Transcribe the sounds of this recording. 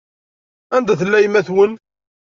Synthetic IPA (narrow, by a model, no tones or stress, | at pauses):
ænd̪æθəlːæjmæθwən